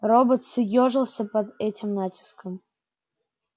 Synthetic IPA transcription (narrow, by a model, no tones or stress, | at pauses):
robət̪sɨjoʐɨlˠsʲɐpɐd̪ɛtʲɪmnatʲɪ̥skəm